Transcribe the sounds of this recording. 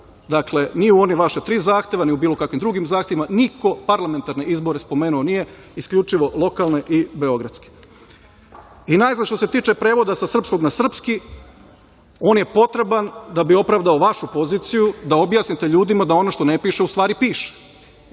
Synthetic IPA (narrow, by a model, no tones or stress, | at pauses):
d̪akle̞niuo̞niʋaʃet̪ɾiːzaːxt̪e̞ʋaniubiːlˠo̞kakʋimd̪ɾuɡimzaːxt̪eʋimaniko̞paɾlˠame̞nt̪aɾne̞ʔizbo̞ɾespo̞meːnuonije̞ | iskʎʲut͡ʃiʋo̞lˠo̞kalˠne̞ʔibeo̞ɡɾat̪ske̥ | inaːjzanʃt̪o̞se̞t̪iːt͡ʃe̞pɾe̞ːʋo̞d̪asasr̩psko̞ɡnasr̩pski | o̞ːnje̞po̞t̪ɾe̞band̪abio̞pɾaʋd̪aoʋaʃupo̞ziːt̪sijud̪ao̞bjaːsnit̪e̞ʎuːd̪imad̪ao̞no̞ʃt̪o̞nepiːʃeust̪ʋaːɾipiːʃe̥